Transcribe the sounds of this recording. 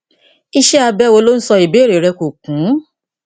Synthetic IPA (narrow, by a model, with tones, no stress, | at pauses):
i˧ʃɛ˦a˧bɛ˦wo˧lo˦n̩˦sɔ˧i˨be˨˦˨ɾe˨ɾɛ˧ko˨kũ˨˦